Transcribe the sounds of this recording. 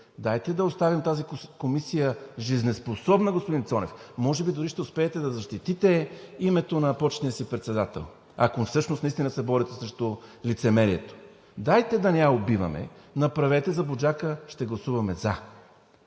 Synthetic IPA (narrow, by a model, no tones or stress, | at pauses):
d̪ajt̪ɛd̪ɐost̪avimt̪azikomisijəʒiznɛsposɔbnɐɡospʊd̪int̪sɔnɛ̰fmɔʒɛbid̪ʊɾiʃt̪ɛʊspɛːt̪ɛd̪ɐzɐʃt̪it̪it̪ɛimɛt̪onɐpɔt͡ʃnijəsipɾɛt̪sɛd̪at̪ɛ̰lˠ | ɐkofsɤʃnosɐist̪inəsɛbɔɾit̪ɛsɾɛʃt̪olit̪sɛmɛɾiɛt̪o̥ | d̪ajt̪ɛd̪ɐnɛaobivɐ̰mɛ̰ | nɐpɾɐvɛt̪ɛzɐbod͡ʒakəʃt̪ɛɡlˠɐsuvɐmɛza